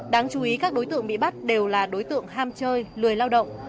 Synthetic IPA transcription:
ɗaː˨˦ŋt͡ɕu˨˦ʔi˨˦kaː˦˥k̚ɗo˨˦jt̪ɨ̰˧˨əŋɓḭ˧˨ɓa˦˥t̚ɗe˨˩wlaː˨˩ɗo˨˦jt̪ɨ̰˧˨əŋɦaː˧mt͡ɕəː˧jlɨ˨˩əjlaː˧wɗə̰˧˨wŋ͡mʔ

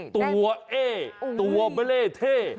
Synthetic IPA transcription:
t̪u˧˩˧ɐʔeː˥˩t̪u˨˧ɐbe˦leː˥˩t̪ʰeː˥˩

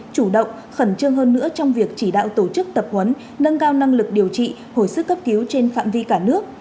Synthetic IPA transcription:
t͡ɕu˧˩ɗə̰˧˨wŋ͡m | xə˧˩nt͡ɕɨ˧əŋɦəː˧nːɨ̰˧˥ət͡ɕɔ˧wŋ͡mvi˨˩ək̚t͡ɕi˧˩ɗa̰ː˧˨wt̪o˧˩t͡ɕɨ˦˥k̚t̪ə˨˩p̚hwə˨˦nː | ə˧nkaː˧wna˧ŋlɨ˨˩k̚ɗi˨˩əwt͡ɕḭ˧˨ | ho˧˩jsɨ˦˥kːə˦˥p̚ki˨˦wt͡ɕe˧nfa̰ː˧˨mvi˧kaː˧˩nɨ˦˥ək̚

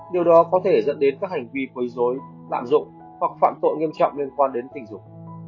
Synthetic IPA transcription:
ɗi˨˩əwɗɔ˨˦kɔ˨˦t̪ʰe˧˩zə̰˧˥nɗe˨˦nkaː˦˥k̚ha˨˩jŋ̟vi˧kwə˨˦jzo˨˦j | la̰ː˧˨mzʊ̰˧˨ŋ͡m | hwa˨˩k̚fa̰ː˧˨mt̪o̰˧˨nŋi˧əmt͡ɕɔ̰˧˨wŋ͡mli˧ənkwaː˧nɗe˨˦nt̪ï˨˩ŋ̟zʊ˨˩k͡p̚

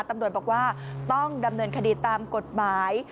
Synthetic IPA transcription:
t̪a˧mɾu˨˩t̪̚bɔː˨˩k̚waː˥˩t̪ɔ˥˩ŋda˧mnɤː˧nkʰa˧diː˧t̪aː˧mko˨˩t̪̚maː˩˦j

